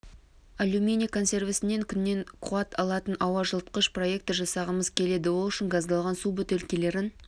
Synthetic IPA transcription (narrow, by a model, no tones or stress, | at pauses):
alʲumʲinʲijkʰo̞nse̞rvɪsɪnːe̞ŋkʲʰʏnːe̞ŋqʰʊɑt̪ʰɑlˠɑt̪ənʔɑwɑʒəlˠt̪̚qəʃpro̞je̞k̚t̪ɪʒɑsɑʁəməzkʲʰe̞le̞d̪ɪwolˠʏʃɪŋɡɑzd̪ɑlˠʁɑnsubɵt̪elkʲele̞ɾɪn